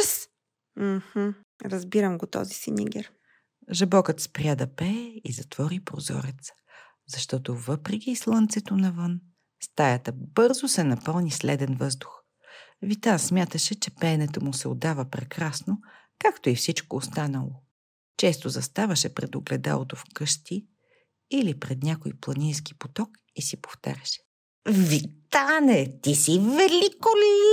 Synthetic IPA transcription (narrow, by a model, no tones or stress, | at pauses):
s | m̩h̩ | ɾɐzbiɾəmɡot̪ɔ̰zisinʲḭɡʲɛɾ | ʒɛbɔkət̪spɾʲjad̪ɐpɛizɐt̪v̥ɔɾipɾozɔ̰ɾɛt̪sə̥ | zɐʃt̪ɔt̪ovɤpɾɛk̟iːslˠənt̪sɛt̪onɐvɤn | st̪ajɐt̪əbɤɾzosɛnɐpɤlˠnislɛd̪ɛnvɤzd̪ʊx | vit̪asmʲjat̪əʃɛt͡ʃɛpɛnɛt̪əmusɛo̰d̪avəpɾɛkɾasno | kakt̪oifsit͡ʃkoːst̪anəlˠo | t͡ʃɛst̪ozɐst̪avɐʃɛpɾɛ̰d̪oɡlɛd̪a̰lˠot̪ofkɤʃt̪iː | lipɾɛd̪nʲakojplˠɐnʲijski̥pot̪ɔk | isipo̥ft̪a̰ɾʲɛʃɛ̥ | vit̪anɛt̪isivɛlikoli